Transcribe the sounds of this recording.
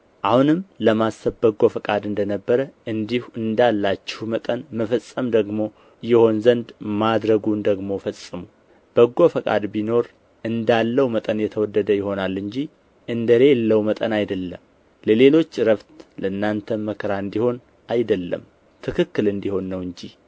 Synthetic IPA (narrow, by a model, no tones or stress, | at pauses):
ʔahunɨmləmasəbbəɡofəkʼad̪ɨnd̪ənəbːəɾəʔɨnd̪ihɨnd̪alːat͡ʃːɪ̥hmət̪ʼənməfəsʼːəmd̪əɡmo̞ | jɛho̞nzənd̪mad̪ɾəɡund̪əɡmo̞fəsʼɨmu | b̥əɡofəkʼa̰d̪bino̞ɾ | ʔɨnd̪alːəwmət̪ʼənjɛt̪ʰəwɔd̪ːəd̪əjɪho̞nalːɨɲd͡ʒi | ʔɨnd̪əɾe̞lːəwmət̪ʼənajd̪əlːəm | ləle̞lo̞t͡ʃːɾəβt̪ləɨnːant̪ʰəməkʰɾaɨnd̪iho̞n | ʔajd̪əlːə̰m | t̪ʰɨkʰɨkːɨlɨnd̪iho̞nːəwɨɲd͡ʒi